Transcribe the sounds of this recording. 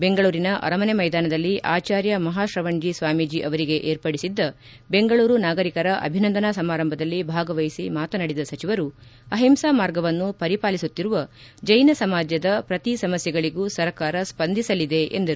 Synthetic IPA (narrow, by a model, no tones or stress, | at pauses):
be̞ŋɡɐɭuːɾinɐʔɐ̰ɾɐmɐnemɐjd̪aːnɐd̪ɐlːiʔaːt͡ʃaːɾjɐmɐɦaːʃɾɐʋɐɳd͡ʒisʋaːmid͡ʒiʔɐʋɐɾiɡe̞ʔeːɾpɐɽisid̪ːɐ | be̞ŋɡɐɭuːɾunaːɡɐɾikɐɾɐʔɐ̰bʱinɐnd̪ɐnasɐmaːɾɐmbʱɐd̪ɐlːibʱaːɡɐʋɐjisimaːt̪ɐnɐɽid̪ɐsɐt͡ʃiʋɐɾuɐɦimsaːmaːɾɡɐʋɐnːupɐɾipaːlisut̪ːiɾuʋɐd͡ʒɐjnɐsɐmaːd͡ʒjɐd̪ɐpɾɐt̪isɐmɐsjɛɡɐɭiɡusɐɾkaːɾɐspɐnd̪ʱisɐlid̪e̞ḛnd̪ɐɾu